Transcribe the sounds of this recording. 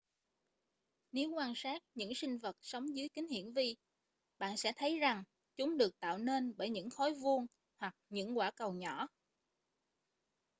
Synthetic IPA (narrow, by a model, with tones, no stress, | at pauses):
ne˨˦wkwaː˧nsaː˦˥t̚ɲɨ̰˧˥ŋsï˧ŋ̟və˨˩t̚sə˨˦wŋ͡mzɨ˨˦jkï˨˦ŋ̟hḭ˧˩˨ənvi˧ | ɓa̰ː˧˨nsɛ̰˧˥t̪ʰə˨˦jza˨˩ŋ | t͡ɕʊ˨˦ŋ͡mɗɨ˨˩ək̚t̪a̰ː˧˨wne˧nɓəː˧˩jɲɨ̰˧˥ŋxɔ˨˦jvu˧əŋ | hwa˨˩k̚ɲɨ̰˧˥ŋkwaː˧˩kə˨˩wɲɔ˧˩˨